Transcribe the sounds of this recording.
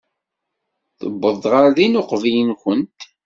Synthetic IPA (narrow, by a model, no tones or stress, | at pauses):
θə̰bːəðˤʁaɾðinʊqvijənçənt̪